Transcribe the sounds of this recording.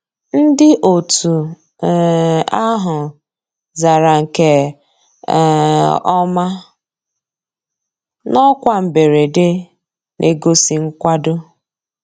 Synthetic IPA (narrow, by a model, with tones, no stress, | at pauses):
n̩˦dɪ˦ʔo˨tu˨ | a˦ɦʊ˨ | za˨ɾa˨ŋ̩˨ke˦˨ | ɔ˦ma˦ | nɔ˦kʷa˦m̩˨be˨ɾe˨de˦ | nʔe˨ɡo˦si˨ŋ̩˦kʷa˦dʊ˦